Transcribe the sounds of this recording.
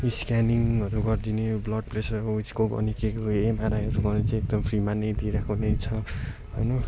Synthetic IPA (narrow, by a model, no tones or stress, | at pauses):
iskaniŋɦʌɾuɡʌrd̪ineblʌɖplesʌout͡skobʌ̰nikekoemaɾajɦʌɾuɡʌɾnet͡saĩek̚d̪ʌmpʰrimaned̪iɾʌkʰonet͡sʰʌ | ɦʌjnʌ